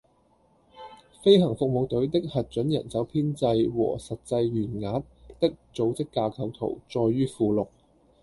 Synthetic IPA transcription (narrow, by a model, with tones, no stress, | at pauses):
fe˥jɦɐ˨˩ŋfʊ˨k̚mo˨˧wt̪ɵ˨˥ɥt̪ɪ˥k̚hɐ˨t̚t͡ʃɵ˨˥njɐ̰˨˩nt͡sɐ˨˥wpʰiː˥nt͡sɐ˧jwɔ̰ː˨˩sɐ˨t̚t͡sɐ˧jɥyː˨˩nŋaː˨˥t̚t̪ɪ˥k̚t͡so˨˥wt͡sɪ˥kːaː˧kʰɐ˨˧wt̪ʰo̰˨˩wt͡sɔː˧jːyː˥fuː˧lʊ˨k̚